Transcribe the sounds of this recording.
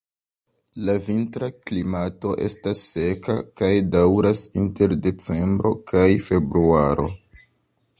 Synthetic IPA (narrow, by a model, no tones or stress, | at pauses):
lavintɾaklimato̞ʔe̞̰stasːe̞ka̰kajdawɾasinte̞ɾde̞t͡se̞mbɾo̞kʰajfe̞bɾuaɾʔo̞̰